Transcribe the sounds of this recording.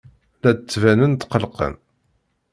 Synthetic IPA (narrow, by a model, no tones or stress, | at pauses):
lædt͡sːvænənt̪qəlqə̰n